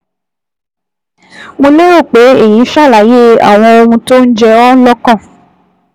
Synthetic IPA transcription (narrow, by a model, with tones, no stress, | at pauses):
mo˧le˦o˦˨k͡pe˨˦e˦˨jĩ˨˦ʃa˦˨la˨˦je˦a̰˨w̃ɔ̃˧o˧hũ˧to˦n̩˦d͡ʒɛ˧ɔ˦lɔ˦kã˦˨